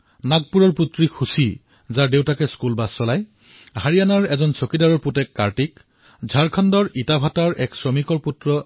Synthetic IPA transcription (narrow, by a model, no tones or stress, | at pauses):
naɡ̚puɹɔɹputɹixusi | zaɹdewtakɛskulbasːɔlaj | haɹijanaɹɛzɔnsokidaɹɔɹputɛkːaɹtik | zʱaɹkʰɔndɔɹitabʱataɹɛksɹɔmikɔɹputɹɔ